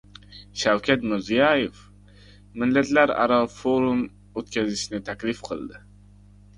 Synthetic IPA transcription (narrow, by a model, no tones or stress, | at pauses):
ʃawkʲʰat̪mɪɾzijɑjef | mɪlːat̪laɾɑ̰ɾɑfoɾum | ot̪kʲʰazɪʃnɪt̪ʰakʲlɪfqʰɨ̰lˠd̪ɪ